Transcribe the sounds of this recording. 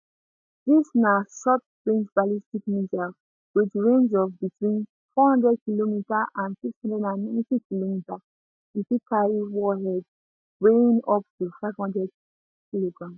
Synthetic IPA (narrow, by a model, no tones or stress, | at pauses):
disnaʃɔt | ɹĩnd͡ʒbalistikmidal | wit͡ʃɹẽnd͡ʒɔvbitʰwĩn | fɔhɔ̃ndɹɛd̚kilomitaʔãnsikshɔ̃ndɛdãnmitikilomita | ifikʰaɹiwɔɦɛd | weĩnɔp̚tufaɪvhɔ̃ndɹɛd̚ | kiloɡɹãms